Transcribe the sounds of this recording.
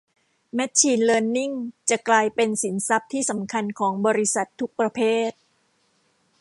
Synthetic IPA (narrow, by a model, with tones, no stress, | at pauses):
mɛ˦˥t̪̚t͡ɕʰiː˧nlɤː˧nːi˥˩ŋt͡ɕa˨˩ʔklaː˧jpe˧nsi˩˦nsa˦˥p̚t̪ʰiː˥˩sa˩˦mkʰa˧nkʰɔː˩˦ŋbɔː˧ɾi˦˥sa˨˩t̪ʰːu˦˥k̚pɾa˧pʰeː˥˩t̪̚